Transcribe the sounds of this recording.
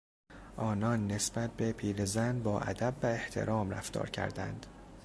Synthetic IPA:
ʔɒːnɒːnːe̞sbæt̪̚ʰbe̞pʰiːɾezænbɒːʔæ̰d̪æbːæe̞ht̪ʰe̞̰ɾɒːmɾæ̰ft̪ɒ̰ːɾcʰæ̰ɾd̪æ̰nd̪̥

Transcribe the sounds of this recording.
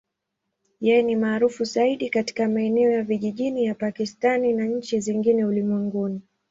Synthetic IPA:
jɛjɛnimaːɾufuzaiɗikati̥kamaɛnɛɔjaviʄiʄinijapakistaninaɲ̩t͡ʃiziŋɡinɛulimwɛŋɡuni

